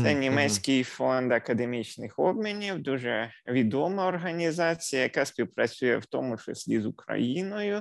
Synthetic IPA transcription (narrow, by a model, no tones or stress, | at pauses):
ɛnʲimɛsʲkɪjfɔnd̪ɐkɐd̪emʲit͡ʃnɪxɔbmʲinʲiwd̪uʒɛʋʲid̪ɔmɐɔrɦɐnʲizɑt͡sʲijɐjɐkasʲpʲiwpɾɐt͡sʲujɛ̰wt̪ɔmʊt͡ʃɪ̰sʲlʲizʊkɾɐ̰jinɔjʊ